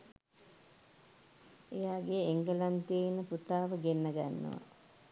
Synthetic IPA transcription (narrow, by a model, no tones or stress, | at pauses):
ejaːɡejeŋɡəlant̪einːəput̪aːʋəɡenːɐɡa̰nːə̰ʋa̰